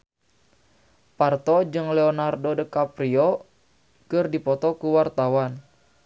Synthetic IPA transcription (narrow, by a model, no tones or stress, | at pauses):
part̪ɔd͡ʒɨŋlɛɔnardodəkapɾiɔ | kɨrdipɔt̪ɔkuwart̪awan